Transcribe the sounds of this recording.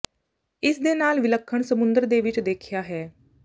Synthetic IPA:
ɪsd̪enaːlʋɪləkʰːəɳ̃səmʊnd̪əɾd̪eːʋɪt͡ʃd̪eːkʰjaːɦɛː

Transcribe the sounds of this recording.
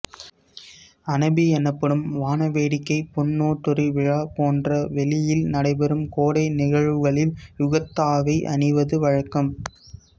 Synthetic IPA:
ɐnɐbiɛnɐpːɐɽɯmʋaːnɐʋeːɽɪkːɐɪpɔnːoːʈːʊɾiʋɪɻaːpoːndrɐʋɛlɪjɪlnɐɽɐɪbɛɾɯmkoːɽɐɪnɪɣɐɻʋɯɣɐɭɪljʊɣɐt̪ːaːʋɐɪʔɐ̰nɪʋɐðɯʋɐɻɐkːɐm

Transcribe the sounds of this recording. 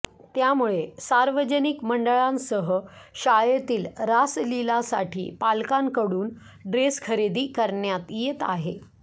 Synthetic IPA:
t̪jamuɭesaɾʋəd͡ʑənikməɳɖəɭãnsəɦəɕajet̪iːlɾaslilasa̰ʈʰḭːpalkankəɽuːn | ɖɾeskʰəɾed̪iːkəɾɳjat̪jet̪aɦe

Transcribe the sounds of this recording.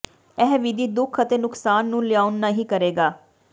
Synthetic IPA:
ɛɦʋid̪iːd̪ʊkʰət̪eːnʊksaːnːũːlɪjaːʊnːaːɦiːkəɾeːɡaː

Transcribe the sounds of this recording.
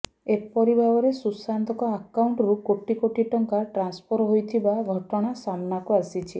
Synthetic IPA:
epɔɾibʱabɔɾesusant̪ɔkɔakawɳʈɔɾukoʈikoʈiʈɔŋkaʈɾanspʰɔɾɦojt̪ʰibaɡʱɔʈɔɽ̃asamnakuasit͡ʃʰi

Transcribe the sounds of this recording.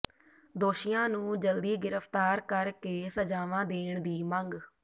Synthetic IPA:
d̪oːʃɪjãːnũːd͡ʒəld̪iːɡɪɾəfʰt̪aːɾkəɾkeːsəd͡ʒaːʋãːd̪eːɳd̪iːməŋɡ

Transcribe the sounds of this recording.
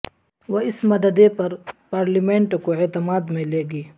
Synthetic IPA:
woɪsmɐd̪əd̪epɐɾpaːɾlimẽːɳʈkoet̪ɪmaːd̪mẽleːɡiː

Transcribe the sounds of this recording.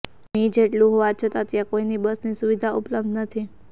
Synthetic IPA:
mĩd͡ʒeʈlũɦoʋat͡ʃʰət̪at̪jakoinibəsnisuʋid̪ʱaʔupləb̚d̪ʱnət̪ʰi

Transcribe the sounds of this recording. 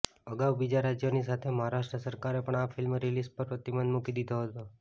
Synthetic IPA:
əɡawbid͡ʒaɾad͡ʒjonisat̪ʰeməɦaɾaʃʈɾəsəɾkaɾepəɳafʰɪlmɾilispəɾpɾət̪ibənd̪mukid̪id̪ʱoɦət̪o

